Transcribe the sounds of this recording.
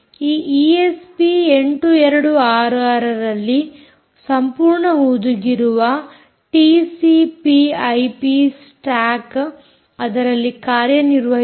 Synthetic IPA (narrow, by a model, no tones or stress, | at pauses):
iːʔiːespieɳʈuɛɾɐɽuaːɾaːɾɐɾɐlːi | sɐmpuːɾɳɐud̪uɡiɾuʋɐ | ʈisipiɐjpis | ʈaːk | ɐd̪ɐɾɐlːikaːɾjɐniɾʋɐɦ